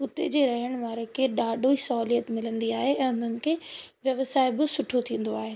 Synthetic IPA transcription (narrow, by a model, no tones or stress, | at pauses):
ʊt̪ḛd͡ʑeːɾɐɦəɽ̃ʋaːɾekʰeːɗaːɗʱoisɔlijət̪mɪlə̃nd̪iaːɦeɛ̃ːʊn̤ənɪ̆kʰeːʋjɐʋsaːɪbɪsʊʈʰot̪ʰĩːn̆d̪oaːɦeː